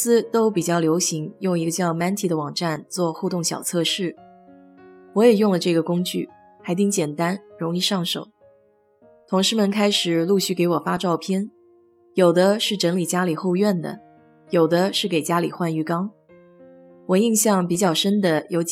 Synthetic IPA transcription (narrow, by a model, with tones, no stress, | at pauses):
sɹ̩˥t̪o˥ʊpi˨˩t͡ɕjɑ˥˩ʊljo˧˥ʊɕi˧˥ŋjʊ˥˩ŋi˧˥ɡə˧t͡ɕjɑ˥˩ʊma˧˥nt̪ʰi˧˥d̪ə˦wɑ˨˩ŋʈ͡ʂa˥˩˧nt͡swɔ˥˧xu˥˧t̪ʊ˥˩ŋɕjɑ̰˨˩ʊt͡sʰɤ˥˧ʂɻ̩˥˩ | wɔ˧˥jɛ˨˩jʊ˥˩ŋlə˩ʈ͡ʂɤ˥˩ɡə˩kʊ˥ŋt͡ɕy̰˥˩ | xa˧˥ɪt̪i˥ŋt͡ɕjɛ˨˩nt̪a˥nɻʊ˧˥ŋi˥˧ʂɑ˥˩ŋʂo̰˨˩˦ʊ | t̪ʰʊ˧˥ŋʂɻ̩˧˥mə˨nkʰa˥ɪʂɻ̩˨˩˦lu˥˧ɕy˥˩ke˧˥ɪwɔ˨˩fa˥ʈ͡ʂɑ˥˩ʊpʰjɛ˥˩n | jo˨˩ʊd̪ə˦ʂɻ̩˥˩ʈ͡ʂə˧˥ŋli˨˩t͡ɕja˥li˨˩xo˥˧ʊɥɛ˥˩nd̪ə̰˩ | jo˨˩ʊd̪ə˦ʂɻ̩˥˩ke˨˩ɪt͡ɕja˥lḭ˨˩xwa˥˧ny˥˩kɑ˥ŋ | wɔ˨˩i˥˧ŋɕjɑ˥˩ŋpi˨˩t͡ɕjɑ˥˩ʊʂə˥nd̪ə˨jo˧˥ʊt͡ɕ